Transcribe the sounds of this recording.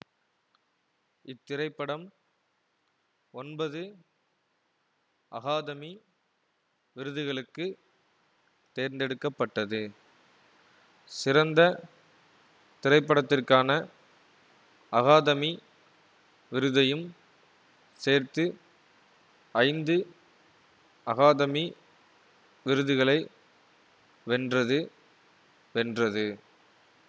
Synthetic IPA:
ɪt̪ːɪɾɐɪpːɐɽɐm | ɔnbɐðɯ | ʔɐ̰ɣaːðɐmi | ʋɪɾɯðɯɣɐɭɯkːɯ | t̪eːɾnd̪ɛɽɯkːɐpːɐʈːɐðɯ | sɪɾɐnd̪ɐ | t̪ɪɾɐɪpːɐɽɐt̪ːɪrkaːnɐ | ɐɣaːðɐmi | ʋɪɾɯðɐjɯm | seːrt̪ɯ | ɐɪnd̪ɯ | ɐɣaːðɐmi | ʋɪɾɯðɯɣɐɭɐɪ | ʋɛndrɐðɯ | ʋɛndrɐðɯ

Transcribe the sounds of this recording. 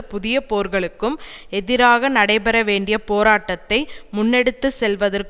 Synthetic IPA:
pʊðɪjɐpoːɾɣɐɭɯkːɯm | ɛðɪɾaːɣɐnɐɽɐɪpɛɾɐʋeːɳɖɪjɐpoːɾaːʈːɐt̪ːɐɪmʊnːɛɽɯt̪ːɯsɛlʋɐðɐrk

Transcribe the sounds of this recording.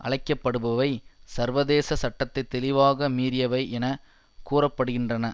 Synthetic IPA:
ʔɐ̰ɭɐɪkːɐpːɐɽɯbɐʋɐɪsɐɾʋɐðeːsɐsɐʈːɐt̪ːɐɪt̪ːɛlɪʋaːɣɐmiːɾɪjɐʋɐɪʔɛnɐ | kuːrɐpːɐɽɯɣɪndrɐnɐ

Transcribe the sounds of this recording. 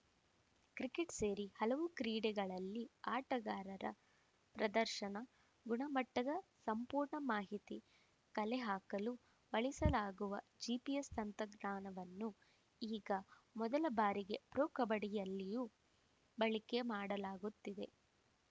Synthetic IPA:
kɾikeʈse̞ːɾihɐlɐʋukɾiːɽɛɡɐɭɐlːiaːʈɐɡaːɾɐɾɐ̰ | pɾɐd̪ɐɾʃɐnɐ | ɡuɳɐmɐʈːɐd̪ɐsɐmpuːɾɳɐmaːɦit̪i | kɐlɛɦaːkɐlu | ʋɐɭisɐlaːɡuʋɐd͡ʒipijest̪ɐnt̪ɐɡnaːnɐʋɐnːu | iːɡɐ | mɔd̪ɐlɐbaːɾiɡe̞pɾoːkɐbɐɽijɐlːijuː | bɐɭike̞maːɽɐlaːɡut̪ːid̪e̞̰

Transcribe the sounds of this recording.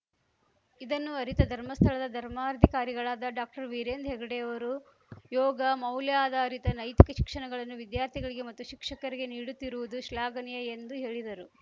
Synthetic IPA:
id̪ɐnːuɐɾit̪ɐd̪ʱɐɾmɐst̪ʰɐɭɐd̪ɐd̪ʱɐɾmaːɾɐd̪ʱikaːɾiɡɐɭaːd̪ɐɖaːk̚ʈɐɾʋiɾeːnd̪ɦɛɡɐɽeːɐʋɐɾu | jɔːɡɐmɐwljaːd̪ɐːɾit̪ɐnɐjt̪i̥kɐʃi̥kʂɐɳɐɡɐɭɐnːuʋid̪jaːɾt̪ʰiɡɐɭiɡe̞mɐt̪ːuʃikʂɐkɐɾiɡe̞niːɽut̪ːiɾuʋud̪uʃlaːɡɐnijɐend̪uɦe̞ːɭid̪ɐɾu

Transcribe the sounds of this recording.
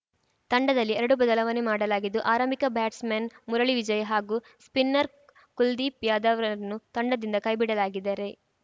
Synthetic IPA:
t̪ɐɳɖɐd̪ɐlːiɛɾɐɽubɐd̪ɐlɐʋɐnemaːɽɐlaːɡid̪ːuʔaːɾɐmikɐbaːʈsmenmuɾɐɭiʋid͡ʒɐjɐɦaːɡu | spinːɐɾ | kuld̪ipjaːd̪aʋɾɐnut̪ɐɳɖɐd̪ind̪ɐkɐːjbiɽɐlaːɡid̪ːaːɾe̞

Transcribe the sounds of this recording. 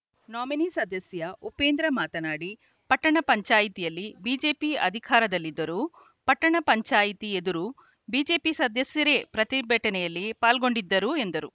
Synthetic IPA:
naːminisɐd̪ɐsjɐupeːnd̪ɾɐmaːt̪ɐnaːɽi | pɐʈːɐɳɐpɐɲt͡ʃaːjit̪ijɐlːibiːd͡ʒe̞ːpiɐ̰d̪ʱikʰaːɾɐd̪ɐlːid̪ːɐɾu | pɐʈːɐɳɐpɐɲt͡ʃaːjit̪ie̞d̪uɾu | biːd͡ʒe̞ːpisɐd̪ɐsjɐɾe̞ːpɾɐt̪ibʱɛʈːɐnɛjɐlːipaːlɡo̞ɳɖid̪ːɐɾue̞nd̪ɐɾu

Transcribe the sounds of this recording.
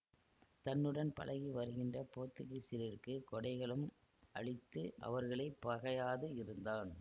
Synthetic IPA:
t̪ɐnːɯɽɐnpɐ̰lɐɣiʋɐɾɯɣɪndrɐpoːt̪ːɯɣɐɪsɪɾɪrkɯkɔɽɐɪɣɐɭɯm | ʔɐ̰ɭɪt̪ːɯʔɐ̰ʋɐɾɣɐɭɐɪpːɐɣɐjaːðɯɪɾɯnd̪aːn

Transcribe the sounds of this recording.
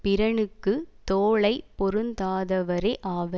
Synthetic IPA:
pɪɾɐɳɯkːɯt̪oːɭɐɪpːɔɾɯnd̪aːðɐʋɐɾeʔaːʋɐ

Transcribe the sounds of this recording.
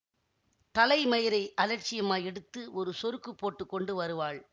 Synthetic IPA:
t̪ɐlɐɪmɐjɪɾɐɪʔɐlɐɾt͡ʃːɪjɐmaːjɛɽɯt̪ːɯʔɔɾɯsɔɾɯkːɯpːoːʈːɯkːɔɳɖɯʋɐɾɯʋaːɭ

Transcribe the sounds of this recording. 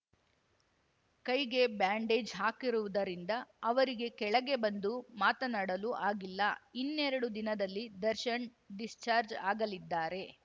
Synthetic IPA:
kɐjɡe̞baːɳɖe̞ːd͡ʒɦaːkiɾuʋud̪ɐɾind̪ɐːʋɐɾiɡe̞kɛɭɐɡe̞bɐnd̪umaːt̪ɐnaːɽɐluʔaːɡilːɐinːeɾɐɽud̪inɐd̪ɐlːid̪ɐɾʃɐɳ | ɖist͡ʃaːɾd͡ʒaːɡɐlid̪ːaːɾe̞

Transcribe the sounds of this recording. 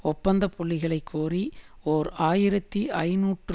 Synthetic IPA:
ɔpːɐnd̪ɐpɔɭːɪɣɐɭɐɪkʰːoːrioːɾaːjɪɾɐt̪ːiʔɐɪnuːʈr

